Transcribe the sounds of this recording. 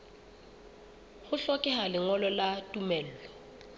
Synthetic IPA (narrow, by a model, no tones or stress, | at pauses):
hʊɬɔkʼɛhalɪŋɔlɔlatʼumɛːl̩ːlɔ